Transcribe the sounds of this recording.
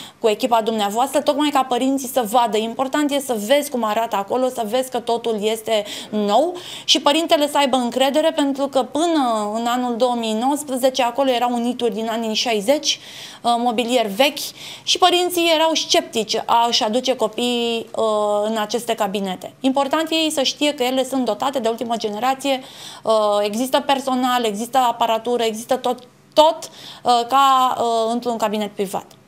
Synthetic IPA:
kue̞kʲipad̪umneavoast̪ɾət̪o̞kmajkapəɾint̪sisəvad̪əimpo̞rt̪ant̪je̞səve̞zʲkumaɾat̪əako̞lo̞səve̞zʲkət̪o̞t̪ulje̞st̪e̞no̞wʃipəɾint̪e̞le̞səajbəɨŋkɾe̞d̪e̞ɾe̞pe̞nt̪ɾukəpɨnəɨnanuld̪o̞omijno̞wəspɾəze̞t͡ʃeako̞lo̞je̞ɾawunit̪urʲd̪inaniʃajze̞t͡ʃʲ | mo̞bilije̞rve̞kʲʃipəɾint̪sije̞ɾawʃt͡ʃe̞p̚t̪it͡ʃʲaɨʃad̪ut͡ʃe̞ko̞pij | ɨnat͡ʃe̞st̪e̞kabine̞t̪e̞impo̞rt̪ant̪je̞jsəʃt̪ije̞kəje̞le̞sunt̪̚d̪o̞t̪at̪e̞d̪e̞ult̪iməd͡ʒe̞ne̞ɾat̪sije̞əe̞ɡzist̪əpe̞rso̞nale̞ɡzist̪əapəɾat̪uɾəeɡzist̪ət̪ot̪ː | o̞t̪kaɨnt̪ɾunkabine̞t̪̚pɾiva̰t̪

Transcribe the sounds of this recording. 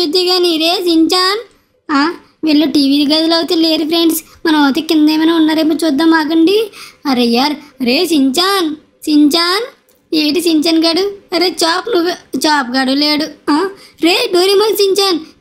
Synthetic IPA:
ʃud̪ːiɡaːniɾeːsiɲt͡ʃaːn | aː | ʋiːlːuːʈiːʋiːd̪iɡɐd͡ʒ̪ulɐwut̪eːleːɾpʰɾeɳɖs | mɐnɐmɐt̪ekːind̪eːmɐnaːunːaːɾepːɐt͡ʃuːd̪ːaːmaːk̬ɐɳɖiɐɾɐjaːɾɾeːsiɲt͡ʃaːn | siɲt͡ʃaːn | eːʈisiɲt͡ʃɐnɡɐɽuɐɾeːt͡ʃaːpnuʋut͡ʃaːpɡɐɽuleːɽuaːɾeːɖuːɾimɐnsiɲt͡ʃaːn

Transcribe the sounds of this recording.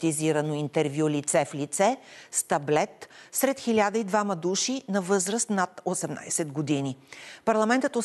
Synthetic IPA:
t̪iziɾənoint̪ɛɾvjulit̪sɛflit̪sɛst̪ɐblɛt̪sɾɛt̪xilʲad̪əid̪vamɐd̪uʃinɐvɤzɾəst̪nat̪osɛmna̰jsɛd̪ɡod̪inipɐɾlˠɐmɛnt̪ət̪o

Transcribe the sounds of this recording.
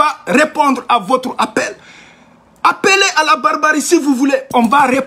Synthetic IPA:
arepɔ̃d̪ʁavot̪ɾapɛl | apeleʔalabaɾbaɾisivuvuleɔ̃vare

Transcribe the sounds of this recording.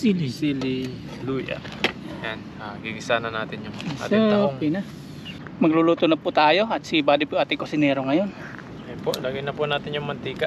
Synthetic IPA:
silisili | luja̰ | an | aɡiɡisananat̪iɲɔa̰təŋpina | məŋlulut̪unəput̪aːjoat̪sibadipuat̪ikosineɾɔŋajɔn | epɔdaɡinapunat̪iɲɔmənt̪ika

